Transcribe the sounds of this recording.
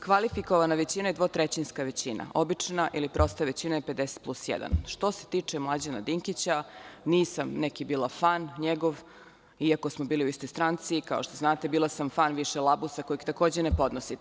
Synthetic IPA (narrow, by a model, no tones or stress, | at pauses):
kʋalifiko̞ʋanaʋet͡ɕinajed̪ʋot̪ɾet͡ɕinskaʋe̞t͡ɕina̰ʔo̞bit͡ʂnaʔilipɾo̞st̪aʋet͡ɕinajeped̪ese̥t̪̚plˠusjḛd̪a̰nʃt̪o̞set̪it͡ʂemlˠad͡ʑenad̪iŋkit͡ɕaniːsamnekibiːlˠafanɲeɡo̞ʋ | iako̞smobiːliuist̪o̞jst̪ɾant̪sikaoʃt̪o̞znaːt̪e̞biːlˠasamfanʋiʃelˠabusakojiɡt̪ako̞ːd͡ʑenepo̞d̪nosi